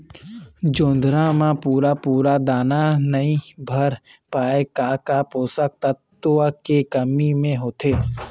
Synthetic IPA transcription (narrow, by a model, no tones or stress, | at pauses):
d͡ʒõːnd̪ɾamãpuːɾapuːɾad̪aːnanɐɦĩbʱɐɾpaːekaːkapoːsək̚t̪ət̪ːakekɐmimẽɦoːt̪eː